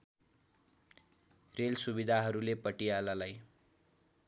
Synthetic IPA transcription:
relsubid̪ʱaɦʌɾulepʌʈijalalaj

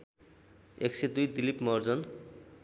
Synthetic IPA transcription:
eksed̪ujd̪ilipmʌrd͡zʌn

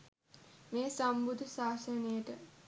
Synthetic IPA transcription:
meːsambud̪ʱəsaːsənejəʈə

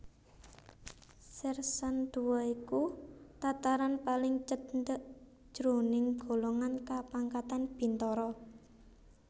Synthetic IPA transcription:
sɪrsand̪̥ṳwɔikut̪at̪aɾanpalɪŋt͡ʃənd̪əʔ | d͡ʒ̥ɾonɪŋɡ̥o̤loŋankapaŋkat̪anb̥i̤nt̪ɔɾɔ

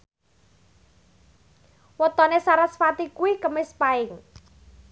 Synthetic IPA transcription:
wət̪ɔnesaɾasfat̪ikuwikəmɪspaɪŋ

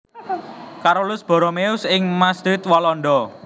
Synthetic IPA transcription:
kaɾulʊsb̥ɔ̤ɾɔmeʊsɪŋmasd̪ɾɪt̪̚walɔnɖ̪ɔ

